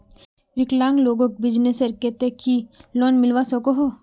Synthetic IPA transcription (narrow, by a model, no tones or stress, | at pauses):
ʋɪklãːŋɡloːɡõk̚bɪd͡ʒnesɐɾket̪ekʰiloːnmɪlʋasokoɦo